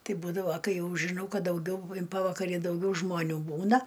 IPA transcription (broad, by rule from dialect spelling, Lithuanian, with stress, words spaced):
ˈtɐɪ ˈbuːdɐʋoː ˈkɐɪ ˈjɛʊ ʒʲɪˈnɐʊ ˈkɐt dɐʊˈɡʲɛʊ ɪn ˈpɑːʋɐkɐrʲɪ dɐʊˈɡʲɛʊ ʒmoːˈnʲuː ˈbuːnɐ